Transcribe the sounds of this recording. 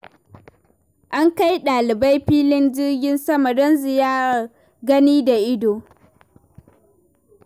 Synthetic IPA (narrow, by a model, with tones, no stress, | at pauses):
ʔa˦ŋka˦jɗaː˨lɪ˨ba˦jɸiː˦lɪ˦nd͡ʒɪ˦rɡʲɪ˦nsɐ˦mɐ˨dɔ˦nzɪ˨jaː˦a˨ | ɡɐ˦niː˦da˨ʔɪ˦doː˨